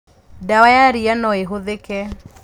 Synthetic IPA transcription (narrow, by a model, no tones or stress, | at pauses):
dawajaɾianɔeɦoðekɛ